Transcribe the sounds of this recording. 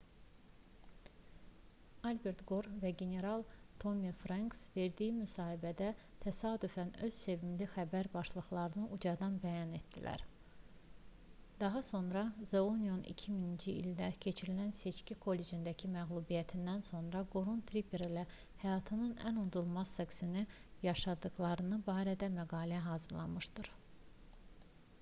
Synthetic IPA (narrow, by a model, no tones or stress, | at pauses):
ɑlbe̞ɾt̪ɡo̞ɾvæɡe̞ne̞ɾɑlˠt̪ʰo̞mifɾɑŋksve̞ɾd̪ijimysɑːhibæd̪æt̪ʰæsɑːd̪yfænø̞z̥se̞vimlixæbæɾbɑʃlˠɯχlˠɑɾɯnɯʔud͡ʒɑd̪ɑnbæjɑne̞t̪d̪̥ilæ̰ɾ | d̪̥ɑɦɑso̞nɾɑzeonijonḭcʰiminind͡ʒiḭld̪æcʰe̞t͡ʃʰiɾilænse̞t͡ʃcikʰo̞lːe̞d͡ʒind̪æcʰimæɣlˠubijæt̪ʰind̪ænso̞nɾɑɡoɾunt̪ʰɾipʰeɾilæ | hæjɑːt̪ʰɯnɯnæ̰nud̪ulˠmɑzseksinijɑʃɑd̪ɯɣlˠɑɾɯnɯbɑːɾæd̪æmæɡɑːlæɦɑːzɯɾlˠɑ̰mɯʃd̪ɯɾ